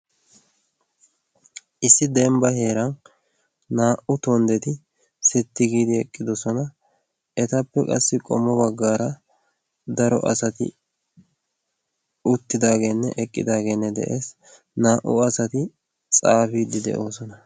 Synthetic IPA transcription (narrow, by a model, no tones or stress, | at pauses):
ʔɪsːɪd̪ɛmbɐhe̞ːɾɐnː | aːʔʊt̪ɔnd̪ɛt̪ɪ | sɛt̪ːɪɡiːd̪ɪɛkʼːɪd̪ɔsɔnɐ | ɛt̪ɐpːɛkʼɐ̰sːɪkʼɔmːɔbɐɡːaːɾɐ | d̪ɐɾɔ̰ʔɐ̰sɐt̪ɪ̰ | ʊt̪ːɪd̪aːɡe̞ːnːɛ̰ʔɛkʼːɪ̰d̪aːɡe̞ːnːɛd̪ɛ̰ʔe̞ːs | naːʔʊ̰ɐsɐt̪ɪ | t͡sʼaːfiːd̪ɪd̪ɛ̰ʔo̞ːsɔnɐ